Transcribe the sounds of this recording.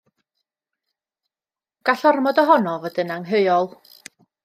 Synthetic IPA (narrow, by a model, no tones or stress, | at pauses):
ɡ̥aɬɔrmɔdɔɦɔnɔvɔdənaŋɦəjɔlˠ